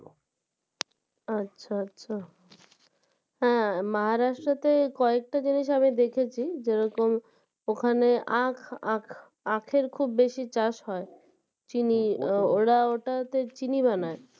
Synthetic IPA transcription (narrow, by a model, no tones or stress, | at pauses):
atːɕʰaatːɕʰa | hɛ̃maɦaɾaʃʈɾot̪ekɔek̚ʈad͡ʑiniʃ̬amid̪ekʰet͡ɕʰid͡ʑeɾɔkom | okʰaneʔakʰakʰ | akʰeɾkʰubːeʃit͡ɕaʃɦɔe | t͡ɕinioɽaoʈat̪et͡ɕiniβanae